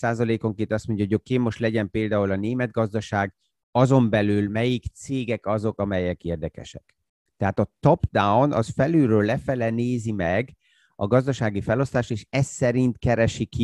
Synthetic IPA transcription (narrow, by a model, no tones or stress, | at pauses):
saːzɒleːko̞ŋkeːnt̪ɒst̪mo̞ɲɟjɒɦoɟokeːmːo̞ʃt̪lɛɟɛmpeːld̪aːulɒneːmɛd̪̚ɡɒzd̪ɒʃaːɡ | ɒzo̞mbɛlylmɛjikt̪seːɡɛkɒzo̞kɒmɛjɛkeːrd̪ɛkɛ̰ʃɛ̰k | t̪ɛɦaːt̪ɒt̪opd̪awnɒ̰sfɛlyɾøːlːɛfɛlɛneːzimɛɡ | ɒɡɒzd̪ɒʃaːɡifɛlo̞st̪aːʃeːʃɛsːɛɾint̪kɛɾɛʃiki